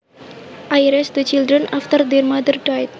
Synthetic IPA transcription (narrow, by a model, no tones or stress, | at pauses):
ʔajɾɛsd̪ət͡ʃildɾənʔaft̪ərd̪ɛrmad̪ərdajt̪̚